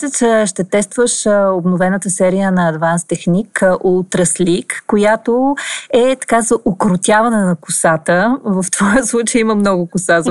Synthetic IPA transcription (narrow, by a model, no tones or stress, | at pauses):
sɛt̪sʃt̪ɛt̪ɛst̪vəʃobnʊvɛnət̪əsɛɾijənɐːd̪vanst̪ɛxnikʔot̪ɾəslikːojat̪oɛt̪ɐ̥kazɐʔokɾʊt̪ʲjavɐnɛnɐkʊsat̪əvɐft̪v̥ɔjəslˠut͡ʃəjiməmnɔɡʊkʊsaz